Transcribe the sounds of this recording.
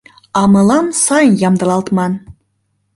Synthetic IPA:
ɑmɤ̆lɑmsɑjənjɑmd̪ɤ̆lɑlt̪mɑn

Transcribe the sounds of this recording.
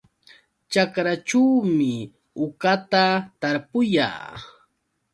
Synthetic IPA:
t͡ʃakɾat͡ʃuwmɪ | ʊkat̪at̪aɾpʊja̰ː

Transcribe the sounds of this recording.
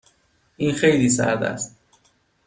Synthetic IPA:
ʔiːnxejliːsæ̰ɾd̪æ̰st̪̚

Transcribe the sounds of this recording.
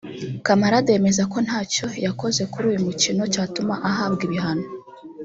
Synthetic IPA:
kamaɾade̞me̞zako̞n̥haːco̞jako̞ze̞kuɾuːjumucino̞caːtumaʔaɦaːbɡiβiɦano

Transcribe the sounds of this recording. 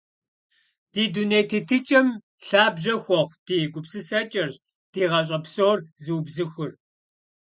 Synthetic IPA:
d̥iːduneːjtʰetʰɨt͡ʃʼɐm | ɬaːbʑɐxʷɔχʷd̥iːɡʷʊpsɨsɐt͡ʃʼɐr | d̥iːʁɐɕ̬ʼɐpsoːrzɨːbzɨxʷʊr

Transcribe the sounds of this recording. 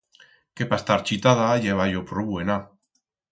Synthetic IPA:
kepast̪aɾt͡ʃit̪aðajeβajopɾoβwena

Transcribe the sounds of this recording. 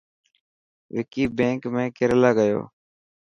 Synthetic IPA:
ʋɪkiːbẽːŋkmẽːkɪɾlaːɡəjo̰ː

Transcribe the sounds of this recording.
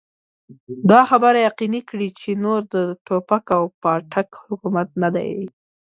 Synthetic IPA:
d̪ɑxabəɾajaqinikɽit͡ʃenoɾd̪əʈopakawpɑʈʰakhʊkumat̪̚nad̪a̰j

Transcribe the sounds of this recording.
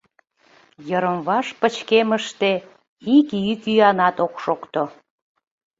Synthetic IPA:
jəɾəmβɑʃpət͡ɕkeməʃt̪e | ikiykyjɑnɑt̪okʃokt̪o

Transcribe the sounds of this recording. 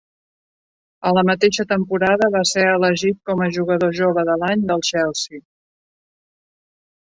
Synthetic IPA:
ələmət̪eʃət̪əmpuɾaðəβaseələʒit̪̚kɔməʒuɣ̞əðoʒoβəðəlaɲd̪əlˠʃɛlˠsi

